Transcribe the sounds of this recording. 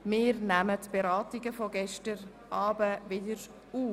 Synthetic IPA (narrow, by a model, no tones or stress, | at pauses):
mɪːɾnæmətb̥eɾɑːtɪɡəfɔɡɛʃtəɾ | ʔɑːbəʋɪdəɾ | uː